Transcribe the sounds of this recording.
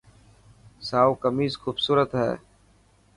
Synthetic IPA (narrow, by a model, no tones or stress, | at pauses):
saːuːkəmiːzxuːbsuːɾət̪ɦɛ̰ː